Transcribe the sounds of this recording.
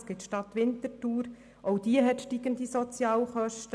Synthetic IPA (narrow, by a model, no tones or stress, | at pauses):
sɡ̥ɪtʃtɑt̪ʋɪntətuːɾ | ʔoʊd̥̪iəɦɛtʃtiːɡənd̪isɔt͡sjɑːwχœʃt